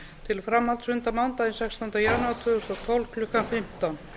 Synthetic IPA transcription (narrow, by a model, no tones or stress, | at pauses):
t̪ʰɪlfɾamːalt̪svʏnt̪amawnt̪aðɪnsɛkst̪ant̪ajanat̪ʰvʏːɣʏst̪ɔt̪ʰɔwlkʰlʏhkanfɪm̥t̪an